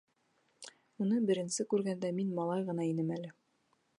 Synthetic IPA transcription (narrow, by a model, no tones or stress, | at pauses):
unɤbɘ̆ɾɘ̆nsɘkʉɾɡænd̪æminmɑlˠɑjʁɤ̆nɑinɘmælɘ